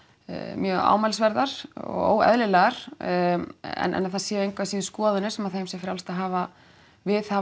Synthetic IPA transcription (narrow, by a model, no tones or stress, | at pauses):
mjœːɣa̰ːwmajls̬vɛɾðaɾ̥ɔ̰ɣo̰ːwɣɛ̰ðlɪlɛɣaɾ̥ | ɛ̰nʔɛ̰naðθaðsjɛːejŋkʰvasiðskɔːðʏnɪsɛmaðθejmsjɛfɾjawlst̪aɦaːva | vɪðha